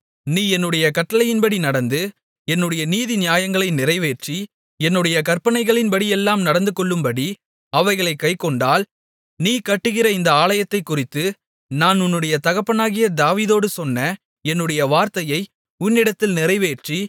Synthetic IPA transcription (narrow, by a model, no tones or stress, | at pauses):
niːɛnːɯɽɐjɐkɐʈːɐlɐjɪnbɐɽinɐɽɐnd̪ɯ | ɛnːɯɽɐjɐniːðinɪjaːjɐŋɡɐɭɐɪnɪrɐɪʋeːʈri | ɛnːɯɽɐjɐkɐrpɐnɐɪɣɐɭɪnpɐɽijɛlːaːmnɐɽɐnd̪ɯkɔɭːɯmbɐɽi | ɐʋɐɪɣɐɭɐɪkːɐɪkːɔɳɖaːl | niːkɐʈːɯɣɪrɐɪnd̪ɐaːlɐjɐt̪ːɐɪkːʊrɪt̪ːɯ | naːnʊnːɯɽɐjɐt̪ɐɣɐpːɐnaːɣɪjɐd̪aːʋiːðoːɽɯsɔnːɐ | ɛnːɯɽɐjɐʋaːɾt̪ɐjɐɪ | ʊnːɪɽɐt̪ːɪlnɪrɐɪʋeːʈri